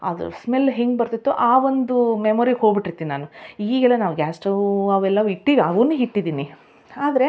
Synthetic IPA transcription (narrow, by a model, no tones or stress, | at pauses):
ɐ̰d̪ṵsmelːɦiŋɡ̚bɐɾt̪it̪ːuʔaːʋond̪umemoːɾiɡɦo̞ːɡbiʈːiɾt̪ːiːninaːnuiːɡɛlːɐnaːʋuɡʲaːsʈɐʋɐʋɛlːɐʋiʈːiʋiɐʋunːuɦiʈːid̪iːni | aːd̪ɐɾe̞